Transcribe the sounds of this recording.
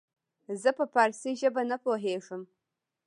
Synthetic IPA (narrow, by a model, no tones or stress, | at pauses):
zɨpʰɐpʰarsiʒɐbɐnɐpʰwɔħeːʂɨm